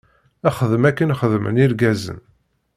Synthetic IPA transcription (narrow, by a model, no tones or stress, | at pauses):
æχəðəmækːənχəðmə̰niɾɡæzə̰n